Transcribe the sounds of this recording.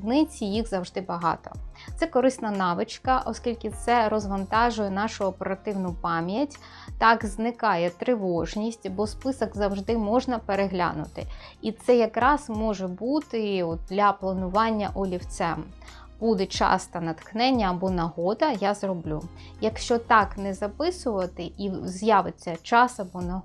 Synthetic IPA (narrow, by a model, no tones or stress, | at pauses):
d̪nɪt͡sʲijiɣzɐwʐd̪ɪbɐɦɑ̰t̪ɔ̰t̪sɛkɔɾɪsnɐnɑʋɪt͡ʃkɐʔɔskʲilʲkʲɪt̪sɛɾɔzʋɐnt̪ɑʒʊjɛnɑʃʊɔpeɾɐt̪ɪwnʊpɑmʲjɐtʲ | t̪ɑɡznɪkɑjɛt̪ɾɪʋɔʒnʲisʲtʲɐbɔspɪsɔɡzɐwʒd̪ɪmɔʒnɐpeɾeɦlʲa̰nʊt̪ɪ̰it̪sɛjɐkɾɑzmɔʒɛbut̪ɪɔt̪̚d̪lʲɐplˠɐnʊʋɑnʲːɐʔɔlʲiwt̪sɛm | b̥ud̪ɛt͡ʃɑ̰st̪ɐnɐt̪xnɛnʲːɐːbɔnɐɦɔd̪ɐjazrɔblʲu | jɐkʃt͡ʃɔt̪ɑknɛzɐpɪsʊʋɐt̪ɪizjaʋɪt͡sʲːɐt͡ʃɑsɐbɔnɐɦ